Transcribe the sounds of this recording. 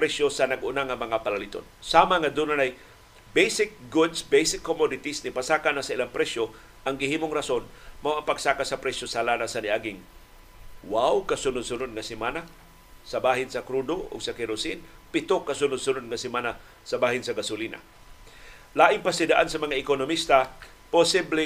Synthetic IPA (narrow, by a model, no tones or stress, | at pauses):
pɾɛsjosɐnɐɡʊnaŋɐmɐŋapalalit̪o̰nsamaŋad̪unanaj | bejsɪk̚ɡʊd̪sbejsɪkːomɔd̪ɪt̪isnipasaːkanasaɪlaŋpɾɛʃjo | ʔɐŋɡɪhiːmoŋɾasonmawɐŋpaɡ̥̚sakasɐpɾɛsjosalanasanɪʔaɡɪŋ | wawkɐsʊnʊd̪sʊnod̪̚ŋɐsɪmaːna | sɐbaːɦɪnsɐkɾud̪oʔʊ̰ɡsɐkɛɾʊsɪnpɪt̪okːɐsʊnʊd̪sʊnod̪̚ŋɐsɪmana | sɐbaːhɪnsɐɡasʊlinʔa̰ | laːʔɪŋpasɪd̪aʔansɐmɐŋaɪkonomist̪a | posiblɪ